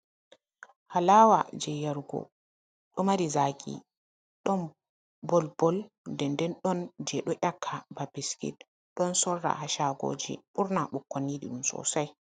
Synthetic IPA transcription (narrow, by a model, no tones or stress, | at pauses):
halaːwa̰d͡ʒɛjaɾɡɔ̰ | ɗɔmaɾizakʼḭ | ɗɔn | bɔlb̥ɔl | dɛndɛnɗɔnd͡ʒɛɗɔʔakʰːababiskḭt | ɗɔnsɔrːa̰haʃaɡo̰ːd͡ʒḭɓuɾnaɓukːɔnːiɗḭɗumsɔ̰saj